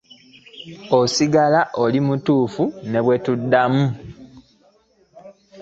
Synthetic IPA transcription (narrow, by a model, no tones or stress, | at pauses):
osiɡalaʔolimutuːfune̞βwe̞tudːamu